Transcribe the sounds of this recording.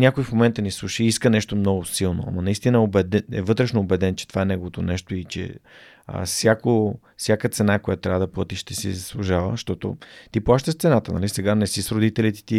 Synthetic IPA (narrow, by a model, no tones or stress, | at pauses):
nʲakoifmomɛnt̪ənislˠuʃiiskənɛʃt̪omnɔɡʊsilˠno̰ɐ̰mɐnɐist̪inəɛobɛd̪ɛɛ̰vɤt̪ɾɛʃnoːbɛd̪ɛnt͡ʃɛ̥t̪o̥vaɛnɛɡovot̪onɛʃt̪oit͡ʃɛ̰ | ə̰sʲjako | fsʲjakət̪sɛnakojat̪t̪ɾʲavd̪ɐplˠət̪iʃt̪ɛsḭzəslˠuʒavə̰ʃt̪ɔt̪o̰t̪ipwˠaʃt̪əst̪sɛnat̪ənɐ̰lisɛɡanɛsisɾod̪it̪ɛlit̪i̥t̪i